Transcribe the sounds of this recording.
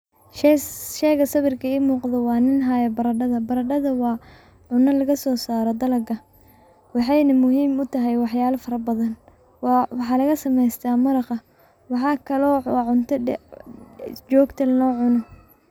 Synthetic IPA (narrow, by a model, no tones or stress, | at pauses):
ʃʃɛːɣɐsɐβɪrkʰɐiːmuːqðɐwɑːnɪnɦaːjɐbɐɾɐɖɐðɐbɐɾɐɖɐðɐwɑː | ʕʊnɐlɐɣɐsɔːsaːɾɔd̪ɐlɐɡɐ | wɑħɑjnɐmʊɦiːmʊt̪ʰɐɦɛjwɑħjaːlɐfɐɾɐbɐðɐn | wwɑħɑːlɐɣɐsɐmɛjst̪ʰaːmɐɾɑqɐ | wɑħɑːkʰɐlɔːwɑːʕʊnt̪ʰɐ | t͡ʃɔːɡt̪ʰɐlnɔːʕʊnɔ